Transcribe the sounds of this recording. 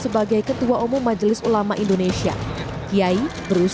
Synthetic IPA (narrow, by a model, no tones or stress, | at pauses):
səbaɡajkət̪uaʔumʊŋmad͡ʒlɪsulamaʔindonesia̰ | ijaibəɾus